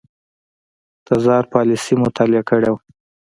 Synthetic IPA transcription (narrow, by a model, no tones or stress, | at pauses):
t̪azɑɾpɑlɪsimʊt̪ʰɑlɪakəɽew